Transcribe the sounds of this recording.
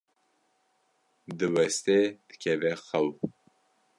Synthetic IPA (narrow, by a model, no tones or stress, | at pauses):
d̪ɨwɛst̪ed̪ɨ̥kʰɛvɛxɐw